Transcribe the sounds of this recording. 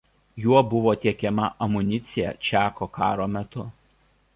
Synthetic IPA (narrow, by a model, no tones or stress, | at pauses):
juɔbʊʋoːt̪ʲiɛkʲɛmɐʔɐmʊnʲɪt̪sʲɪjɛ̰t͡ʃʲæːkoːkɑːɾoːmʲɛt̪ʊ